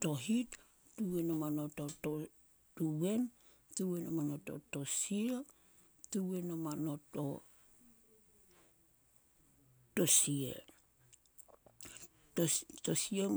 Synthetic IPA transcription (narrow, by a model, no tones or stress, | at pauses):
toɦit | tuwenomanototo | tuwe̞n | tuwenomanoto̰to̞sia | tuwenomano̞to̰ | tosiḛ | otosie